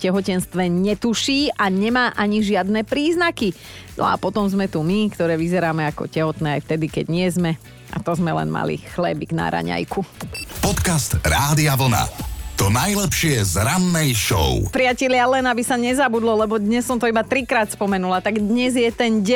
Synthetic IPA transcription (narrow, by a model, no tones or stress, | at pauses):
cɛɦɔcɛnst̪ʋɛɲɛt̪uʃiːʔaɲɛmaːʔaɲiʒɪad̪nɛːpɾiːznaki | nɔ̰a̰pɔt̪ɔmzmɛt̪umikt̪ɔɾɛːʋizɛɾaːmɛakɔ̰cɛɦɔt̪nɛːajft̪ɛd̪ikɛ̰ɟɲɪɛzmɛ | ʔa̰t̪ɔzmɛlɛ̰nma̰lḭxlɛbiɡna̰ɾa̰ɲa̰jkupɔt̪kast̪ɾaːd̪iaʋl̩na̰t̪ɔnajlɛpʃɪɛzɾanːɛjʃɔ̰ʊpɾɪacɛʎɪalɛnabisaɲɛzabud̪lɔlɛbɔd̪ɲɛssːɔmt̪ɔibat̪ɾikɾaːt̪spɔmɛnulat̪aɡd̪ɲɛzjɛt̪ɛnɟɛ